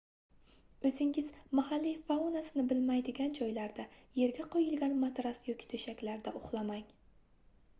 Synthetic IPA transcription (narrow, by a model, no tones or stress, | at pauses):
ɵzɪŋɪz̥mahalːifaunasɪnɪbɪlmajd̪ɪɡʲand͡ʒɒjlaɾd̪aje̞ɾɡʲaqʰɒjɪlˠɡʲanmat̪ɾasjɒkʲʰɪ̥t̪ʰɵʃakʲlaɾd̪aʔʊχlˠamaŋ